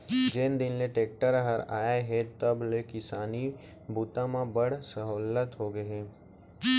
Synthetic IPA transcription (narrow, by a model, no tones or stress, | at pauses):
d͡ʒɪnd̪ɪnleʈeːk̚ʈəɾɦəɾaːjaɦɛt̪ɐblekɪsaːni | buːt̪ãmãbɐɽ̤sɐɦoːlət̪ɦoːɡɐɦeː